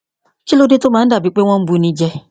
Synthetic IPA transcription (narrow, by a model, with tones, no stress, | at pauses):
t͡ʃi˦lo˦de˦to˦ma˨n̩˦da˨bi˨k͡pe˦ŋʷɔ˦m̩˦bu˦ni˦d͡ʒɛ˦